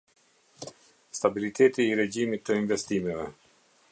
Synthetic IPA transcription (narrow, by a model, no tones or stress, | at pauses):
st̪abilit̪ʰɛt̪iːɾɛɟimit̪ːəinvɛst̪imɛvɛ